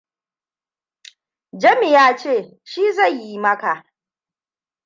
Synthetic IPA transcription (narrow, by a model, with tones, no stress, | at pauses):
d͡ʒɐ˦mi˨jaː˦t͡ʃeː˦˨ | ʃiː˦zɐ˦˨ɲji˦mɐ˦ka˨ʔ